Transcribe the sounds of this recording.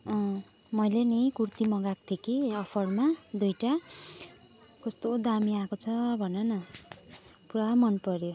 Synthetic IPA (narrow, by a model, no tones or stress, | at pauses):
ʌ | mʌjlenʌjkurt̪imʌɡak̚t̪ʰekiʌpʰʌɽmad̪ujʈa | kʌst̪od̪amiakot͡sʰʌbʱʌnenʌ | puɾaɦmʌnpʌɾjo